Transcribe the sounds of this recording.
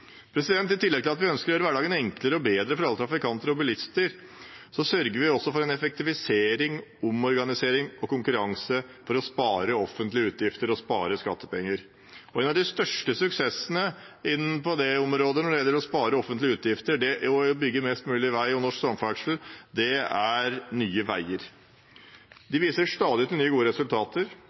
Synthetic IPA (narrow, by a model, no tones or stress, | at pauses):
pʰɾɛsɪd̪ɛnt̪ːɪt̪ʰɪlːɛɡ̚t̪ɪlɑt̪ʋɪœnskəɾjøːɾəʋæɖɑːɡənɛŋkləɾəɔbeːd̪ɾəfɔɾɑlːət̪ʰɾɑfɪkʰɑnt̪əɾɔbɪlɪst̪əɾ | sɔsœɾɡəɾʋɪɔsːɔfɔɾɛnɛfɛk̚t̪ɪfɪseːɾɪŋɔmɔɾɡɑnɪseːɾɪŋɔkʊŋkʉɾɑŋsəfɔɾɔspɑːɾəɔfːənt̪lɪəʉːt̪ʰjɪft̪əɾɔspɑ̰ːɾəskɑ̰t̪ːə̥pɛŋːəɾ | ɔeːnɑd̪ɪst̪œʂʈəsʉksɛsənə | ɪnːpʰɔd̪ɛɔmɾoːd̪ənɔɖɛjɛlːəɾɔspɑːɾəɔfənt̪lɪʉːt̪jɪft̪əɖɛɔbʏɡːəmɛst̪mʉːlɪʋæɪɔnɔʂksɔmfæɡʂl̩d̪ɛæɾnyːəʋæɪəɾ | d̪ɪʋiːsəʂt̪ɑːd̪ɪt̪ɪlnyːəɡuːəɾɛsʉlt̪ʰɑːt̪əɾ